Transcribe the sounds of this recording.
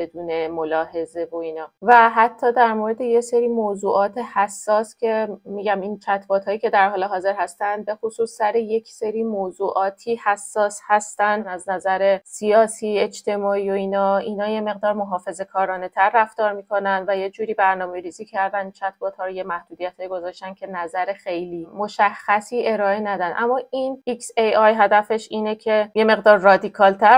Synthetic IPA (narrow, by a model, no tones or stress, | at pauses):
be̞d̪uːne̞molɒːɦe̞ze̞vo̞iːnɒːvæɦæt̪ʰːɒːd̪æɾmoɾe̞d̪e̞jeseɾiːmozuːʔɒːt̪ʰe̞hæsːɒːscʲʰe̞miːɟæmint͡ʃʰæt̪ʰbɒːt̪hɒːjiːce̞d̪æɾɦɒːleɦɒːze̞ɾhæst̪ænd̪̚be̞xosuːsːæɾeje̞cʰseɾiːmozuːʔɒːt̪ʰiːhæsːɒːshæst̪ænd̪æznæzæɾe̞sijɒːsiːe̞d͡ʒt̪ʰe̞mɒːiːo̞iːnɒːiːnɒːje̞me̞ɣd̪ɒːɾmo̞ɦɒːfe̞ze̞kʰɒːɾɒːne̞t̪ʰæɾːæft̪ɒːɾmiːkʰo̞nænd̪væje̞d͡ʒuːɾiːbæɾnɒːme̞ɾiːziːcʰæɾd̪ænd̪̚t͡ʃʰæt̪ʰbɒːt̪hɒːɾojemæhd̪uːd̪ijæt̪hɒːjiɡo̞zɒːʃt̪ænd̪cʰe̞næzæɾexe̞jliːmo̞ʃæxːæsiːʔe̞ɾɒːe̞næd̪ænʔæmːɒːʔiniksejɒjɦæd̪æfe̞ʃiːnecʰe̞je̞me̞ɣd̪ɒːɾːɒːd̪ikʰɒːlt̪ʰæɾ